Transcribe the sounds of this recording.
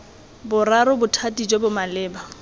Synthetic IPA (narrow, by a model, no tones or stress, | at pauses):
bʊraɾʊbʊtʰatʼid͡ʒobʊmalɪːba